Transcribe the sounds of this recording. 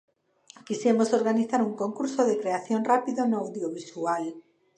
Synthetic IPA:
kisjemosoɾɣaniθaɾuŋkõŋkuɾsoðekɾeaθjonrapiðonoawðjoβisual

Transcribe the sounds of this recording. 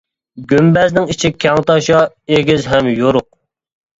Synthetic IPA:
ɡʲymbɛznɪŋit͡ʃʰikʲʰɑŋt̪ɑʃɑ | eɡʲizɦɛmjoɾʊq̚

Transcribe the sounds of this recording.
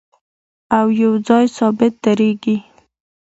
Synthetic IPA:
awjawd͡zɑjsɑbɪt̪̚d̪aɾeɡi

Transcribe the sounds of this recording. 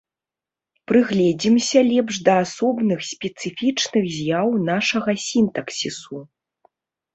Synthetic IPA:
pɾɨɣlʲɛd͡zʲimsʲɐlʲɛpʂd̪ɐasɔbnɨxsʲpʲɛt̪sɨfʲit͡ʂnɨɣzʲjawnaʂɐɣɐsʲint̪ɐksʲisu

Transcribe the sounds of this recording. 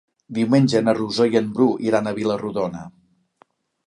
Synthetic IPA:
d̪iwmenʲd͡ʒənəruzojəmbɾuʔiɾanəβiləruðonə

